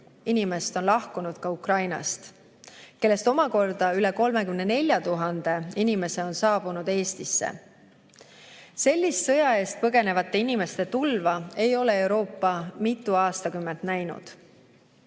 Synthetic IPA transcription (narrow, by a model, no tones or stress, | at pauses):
inime̞st̪o̞nlɑhkunud̪̥kɑukrɑjnɑ̰st̪ | ke̞lːe̞st̪o̞mɑko̞rd̪̥ɑyle̞ko̞lme̞kymne̞ne̞lʲjɑt̪uɦɑnd̪̥e̞inime̞se̞o̞nsɑːb̥unud̪̥e̞ːst̪isːḛ | se̞lʲːist̪sɤjɑe̞ːst̪̚pɤɡe̞ne̞vɑt̪ˑːe̞inime̞st̪e̞t̪ulvɑe̞jo̞le̞ewɾo̞ːpːˑɑmit̪ˑːuɑːst̪ɑkymːe̞nt̪næjnṵd̪̥